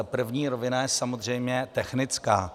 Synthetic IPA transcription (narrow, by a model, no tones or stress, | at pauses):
pr̩vɲiːɾovɪnajɛsamozr̝ɛjmɲɛt̪ɛxnɪt͡skaː